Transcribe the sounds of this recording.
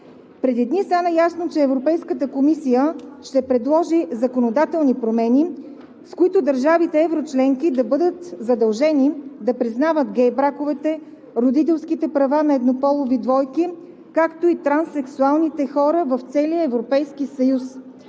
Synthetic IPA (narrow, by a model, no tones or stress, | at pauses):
pɾɛd̪id̪nist̪anəjasnot͡ʃɛːvɾopɛjskət̪əkomisijəʃt̪ɛpɾɛd̪lˠɔʒizɐkonod̪at̪ɛlˠnipɾomɛni | skoit̪ʊd̪ɐɾʒavit̪ɛɛvɾot͡ʃlɛŋkid̪ɐbɤd̪ət̪zɐd̪ɐlˠʒɛnid̪ɐpɾiznavət̪ɡɛjbɾakovɛt̪ɛ | ɾod̪it̪̬ɛlˠskit̪ɛpɾɐvanɐɛd̪nopɔlˠovid̪vɔjki | kakt̪oit̪ɾansɛksualˠnit̪ɛxɔɾəvɐft̪sɛlijəɛvɾopɛjskisɐjus